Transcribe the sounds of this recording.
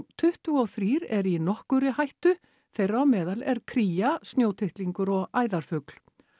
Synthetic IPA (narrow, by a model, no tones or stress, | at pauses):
t̪ʰʏht̪ʏɔwθɾiːɾɛɾinɔhkʏɾɪhajht̪ʏ | θejrawmɛːðalɛɾkʰɾiːjast̪njoːwt̪ʰɪht̪liŋkʏɾɔɣaːjðaɾ̥fʏkl̥